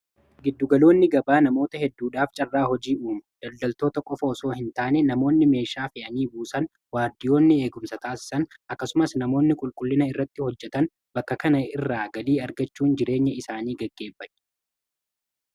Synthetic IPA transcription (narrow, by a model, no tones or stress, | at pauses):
ɡɪd̪ːʊɡɐlo̞ːnːɪɡɐbaːnɐmo̞ːt̪ɐhɛd̪ːuːᶑaːft͡ʃʼɐrːaːhɔd͡ʒiːuːmʊd̪̥ɐld̪ɐlt̪o̞ːt̪ɐkʼɔfɐɔso̞ːhɪnt̪aːnɛnɐmo̞ːnːɪme̞ːʃaːfɪɐniːbuːsɐn | waːɾd̪ɪjo̞ːnːɪe̞ːɡʊmsɐt̪aːsɪ̥sɐnʔɐkːɐsʊmɐsnɐmo̞ːnːɪkʼʊlkʼʊlːɪnɐɪrːɐt̪ːɪhɔd͡ʒːɛt̪ɐn | bɐkːɐkɐnɐɪrːaːɡɐliːɐɾɡɐt͡ʃːuːnd͡ʒɪɾe̞ːɲːɐɪsaːniːɡɐɡːe̞ːfɐt̪ːɛ̥